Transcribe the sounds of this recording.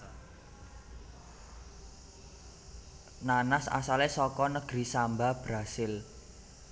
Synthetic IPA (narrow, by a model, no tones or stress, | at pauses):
nanasa̰salesɔkɔnəɡ̥ɾisambab̥ɾasɪl